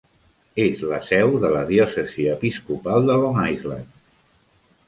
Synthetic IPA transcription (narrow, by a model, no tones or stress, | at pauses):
ezləsɛwðələðjɔsəziəpiskupalˠd̪əloŋajzla̰n